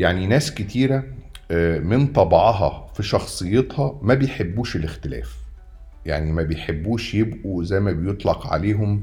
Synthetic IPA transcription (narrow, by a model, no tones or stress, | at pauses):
jaʕninæːsket̪iːɾæ | mɪnt̪ˤɑbʕɑɦɑ̰fiʃɑxsˤɨjːet̪ˤhɑmæbejħebːuːʃelext̪elæ̰ːf | ja̰ʕnimæbejħebːuːʃjebʔuzæjmæbejot̪ˤlɑqʕa̰leːɦom